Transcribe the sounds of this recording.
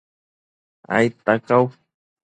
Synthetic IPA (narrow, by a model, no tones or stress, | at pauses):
a̰jt̪akaw